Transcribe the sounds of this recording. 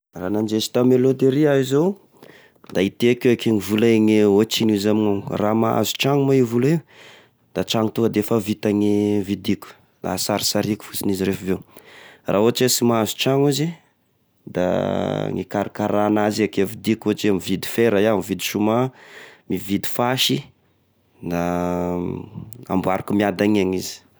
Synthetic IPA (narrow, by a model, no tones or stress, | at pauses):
ranand͡ʒesi̥t̪amelot̪eɾiaizow | d̪ait̪eakeakeŋivulaŋiot͡ʃinuzamiŋaŋramaa̰zu̥t͡ʃaŋumaivuliw | d̪̥at͡ʃaŋut̪uəd̪efavit̪aŋivid̪ikʲu̥ | la̰saɾisaɾiku̥fu̥t͡siniziɾefavewrʔaoat͡ʃesimaazu̥ʈ͡ʂaŋuzi | d̪a̰ŋikaɾikaɾanaziakevid̪ikoat͡ʃeamivid̪i̥feɾajamivid̪i̥ʃumamivid̪i̥faʃi | na | a̰mbaɾakumiad̪aŋaŋizi̥